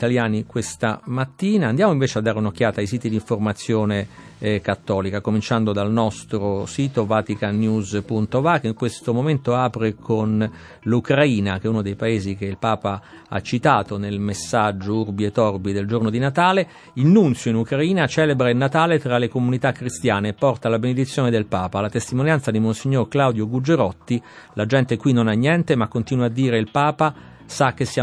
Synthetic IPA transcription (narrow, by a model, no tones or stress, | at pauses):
it̪aljaːnikwest̪amat̪ːiːnaːnd̪jaːmoiɱveːt͡ʃead̪ːaːɾeunok̟ːjaːt̪ajsiːt̪id̪iɱformat̪sːjoːne | kat̪ːɔːlikakomint͡ʃand̪od̪alnɔst̪ɾosiːt̪ovat̪ikanːjuzpunt̪ovakːiŋkwest̪omoment̪oaːpɾekʰon | lukɾaiːnak̟ɛunod̪ejpaeːzik̟eilpaːpa | a̰t͡ʃːit̪aːt̪onelmesːad͡ʒːourbiet̪ɔrbid̪eld͡ʒornod̪inat̪aːle | ilnunt̪sjoinukɾaiːnat͡ʃɛːlebɾailnːat̪aːlet̪ɾalekomunit̪akːɾist̪jaːneːpːɔrt̪alabened̪it̪sːjoːned̪elpaːpalat̪est̪imonjant̪sad̪imonsiɲːorklawd̪joɡud͡ʒeɾɔt̪ːilad͡ʒɛnt̪ekwinːonanːjɛnt̪emakːont̪iːnwad̪ːiːɾeilpaːpa | sak̟ːesːja